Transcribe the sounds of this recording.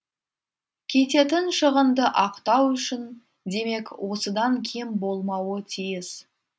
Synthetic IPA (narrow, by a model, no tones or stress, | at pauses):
kʲʰe̞t̪e̞t̪ɪnʃəʁənd̪əʔɑqt̪ɑwʏʃɪn | d̪e̞me̞kwʔo̞səd̪ɑŋkʲʰe̞mbo̞lˠmɑwət̪ʰijɪz